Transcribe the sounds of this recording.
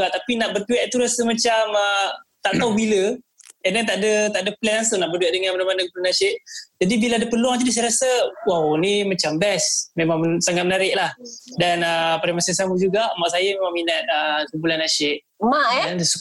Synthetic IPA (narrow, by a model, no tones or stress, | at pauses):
aʔt̪apinaʔbərt̪uɛʔ̚t̪uɾasəmat͡ʃamət̪aʔt̪aubiləɛnat̪aʔdət̪aʔdəplɛnaŋsunaʔbərduɛʔ̚dəŋanmanamanaɡəpulanaʃɪʔd͡ʒadibilaadəpəluaŋt̪̬idisajɾasəwawnimat͡ʃambɛsmemaŋsaŋat̪̚mənaɾɪʔlahdanəpaɾamasəsamud͡ʒuɡaʔmaʔsajəmemaŋminat̪̚əkəmbulanaʃɪʔ̚ | maʔaandsu